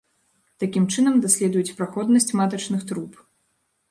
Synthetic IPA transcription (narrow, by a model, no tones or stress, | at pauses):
t̪akʲimt͡ʂɨnɐmd̪asʲlʲɛd̪ujut͡sʲpɾaxɔd̪nɐsʲt͡sʲmat̪ɐt͡ʂnɨxt̪ɾup